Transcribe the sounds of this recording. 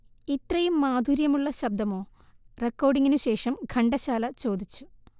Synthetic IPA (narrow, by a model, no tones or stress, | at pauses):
it̪rɐjumːaːd̪ʱuɾjɐmuɭːɐɕɐb̚d̪ɐmo̞ː | rekːo̞ːrɖiŋːinuɕe̞ːʂɐmɡʱɐɳɖɐɕaːlɐt͡ɕo̞ːd̪ʱit͡ɕːu̥